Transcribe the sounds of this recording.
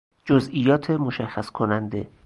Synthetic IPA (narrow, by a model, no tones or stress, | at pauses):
d͡ʒozʔijɒːt̪ʰemoʃæxːæskʰonænd̪e̞̰